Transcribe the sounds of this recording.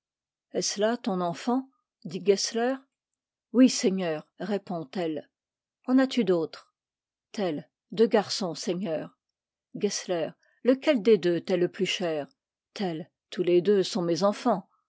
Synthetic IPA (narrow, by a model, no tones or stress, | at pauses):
ɛslat̪ɔ̃nɑ̃fɑ̃ | d̪iɡɛslɛʁ | wisɛɲœːʁʁepɔ̃t̪ɛl | ɑ̃nat̪yd̪ot̪χ | t̪ɛl | d̪øɡaʁsɔ̃sɛɲœːʁ | ɡɛslɛːʁ | ləkʲɛld̪ed̪øt̪ɛləplyʃɛːʁ | t̪ɛl | t̪uled̪øsɔ̃mezɑ̃fɑ̃